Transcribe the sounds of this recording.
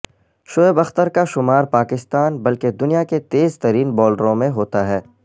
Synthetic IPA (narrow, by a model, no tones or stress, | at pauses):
ʃoːebɐxt̪əɾkaʃʊmaːɾpaːkɪst̪aːnbɐlked̪ʊnijaket̪eːzt̪ɐɾiːnbɔːlɖəɾõmẽɦoːt̪aɦɛː